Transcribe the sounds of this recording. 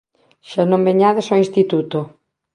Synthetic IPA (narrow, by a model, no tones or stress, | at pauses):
ʃanõmbeɲaðɪsɔĩnst̪it̪ut̪o